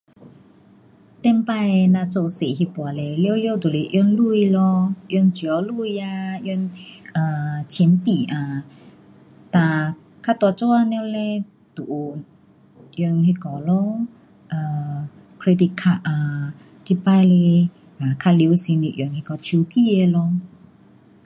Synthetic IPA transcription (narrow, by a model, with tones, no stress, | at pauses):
t̪ɛ˧mpa˧jnã˧t͡so˧se˨ɦi˧pwa˨˩lɛ˧ljwljɔ˧wt̪u˨le˧ʔjɔ˧nlu˧i˧lɔ˧ʔjɔ˧nt͡ɕi˨ɔ˧˦lu˥˧˨ja˧jnʔa˨˩t͡ɕʰi˨˦npi˨˩ʔã˧ | t̪ã˧ | kʰa˧t̪wa˧˨t͡so˧˦a˧nɛ˧˦lɛ˧ | t̪u˨ʔ | ʔjɔ˧nɦi˧kɔ˨˩lɔ˧˦ | ʔa˨ | kʰɾe˧t̪i˧kʰa˧a˧ | t͡ɕi˧pa˧le˧ | a˨kʰa˧li˧˦wsi˧nli˧ʔjɔ˧nhi˧kɔ˧t͡ɕʰu˧ki˧˨e˧lɔ˧